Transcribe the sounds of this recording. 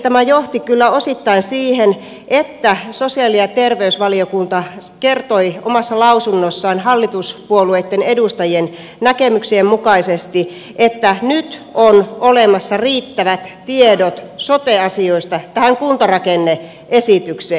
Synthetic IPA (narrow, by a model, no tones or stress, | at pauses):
t̪æmæjoht̪ikylːæosit̪ːɑinsiːhen | ʔet̪ːæsosiɑliɑt̪erʋeysʋɑliokunt̪ɑkert̪oiomɑsːɑlɑusunːosːɑːnhɑlːit̪uspuoluet̪ːenedust̪ɑjien | nækemyksiemmukɑisest̪i | ʔet̪ːænyt̪onolemɑsːɑriːt̪ːæʋæt̪tiedot̪sot̪eɑsioist̪ɑt̪æhæŋkunt̪ɑrɑkenːe | ʔesit̪ykseː